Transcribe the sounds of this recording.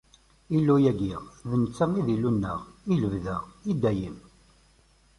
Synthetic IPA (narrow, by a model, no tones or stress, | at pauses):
ilːujæɡiʁðənt͡sːæmiðilːunːə̰ʁiləvðəʁid̪æjəm